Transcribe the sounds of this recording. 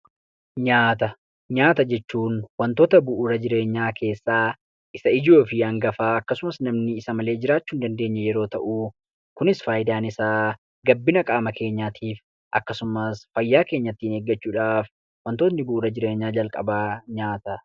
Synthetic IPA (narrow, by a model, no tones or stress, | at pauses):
ɲaːt̪ɐ | ɲaːt̪ɐd͡ʒɛt͡ʃːuːnwɐnt̪o̞ːt̪ɐbʊʔʊɾɐd͡ʒɪɾe̞ːɲːaːkʰe̞ːsːaː | ʔɪsɐɪd͡ʒo̞ːfɪɐŋɡɐfaːɐkːɐsʊmɐsnɐmnɪɪsɐmɐle̞ːd͡ʒɪɾaːt͡ʃːuːnd̪ɐnd̪e̞ːɲːɐjɛɾo̞ːt̪ɐʔuː | kʊnɪsfaːjɪd̪aːnɪsaː | ɡɐbːɪnɐkʼaːmɐkʰe̞ːɲːaːt̪ʰiːf | ʔɐ̰kːɐsʊmɐsfɐjːaːke̞ːɲːɐt̪ːiːneːɡːɐt͡ʃːuːᶑaːf | wɐnt̪ot̪nɪbʊʔʊɾɐd͡ʒɪɾe̞ːɲːaːd͡ʒɐlkʼɐ̰baːɲaːt̪ɐ